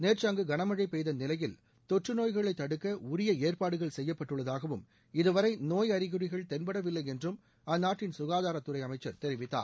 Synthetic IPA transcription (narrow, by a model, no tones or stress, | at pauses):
neːrt͡ʃɐŋɡɯɡɐɳɐmɐɻɐɪpːɛjðɐnɪlɐjɪl | t̪ɔʈrɯnoːjɣɐɭɐɪt̪ːɐɽɯkːɐʊɾɪjɐeːɾpaːɽɯɣɐɭsɛjːɐpːɐʈːɯɭːɐðaːɣɐʋɯm | ɪðɯʋɐɾɐɪnoːjɐɾɪɣɯrɪɣɐɭt̪ɛnbɐɽɐʋɪlːɐɪɛndrɯm | ɐnːaːʈːɪnsʊɣaːðaːɾɐt̪ːɯɾɐɪɐmɐɪt͡ʃːɐɾt̪ɛɾɪʋɪt̪ːa̰ːɾ